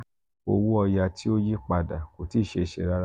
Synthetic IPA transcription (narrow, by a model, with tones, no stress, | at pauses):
o˧wu˦ɔ˧ja˧tʰi˦o˦ji˦k͡pa˧da˨ko˨ti˦˨ʃe˧˨ʃɛ˧˨ɾa˦ɾ